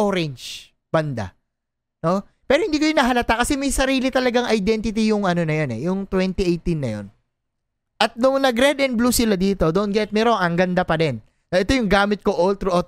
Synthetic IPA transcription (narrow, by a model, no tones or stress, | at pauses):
oɾɛnt͡ʃ | b̥ɐnd̪a̰ | no̞ | pɛːɾohɪnd̪iːkʊjʊnɐɦɐlɐt̪akɐsɛmɐjsɐɾiːlɪt̪ɐlɐɡaŋʔɐjd̪ɛnt̪ɪt̪̬ijʊŋɐno̞nɐjonɛ̰jʊŋt̪wɛnt̪iʔejt̪inːɐ̰jo̞̰n | ʔɐt̪̚nʊŋnɐɡɾɛd̪ɛn̚bluːsɪlad̪iːt̪o̞d̪on̚ɡɛt̪̚mɛɾoʔɐŋɡɐnd̪apɐdɛnː | ɐʔɛt̪o̞jʊŋɡaːmɪt̪̚koʔolt̪ɾʔo